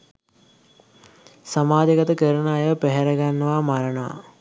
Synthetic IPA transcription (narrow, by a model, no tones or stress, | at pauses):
samaːd͡ʒ̪eɡɐt̪əkəɾnaːjeʋəpeɦeɾɐɡanːəʋaːmaɾənəʋa̰